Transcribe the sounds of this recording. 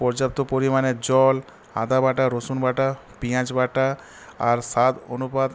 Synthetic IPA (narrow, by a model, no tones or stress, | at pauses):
pɔɾd͡ʒap̚t̪opoɾimaned͡ʑɔl | a̰d̪abaʈaɾosunbʱaʈa | piãt͡ʃbaʈa | a̰ɾsat̪o̰nupad̪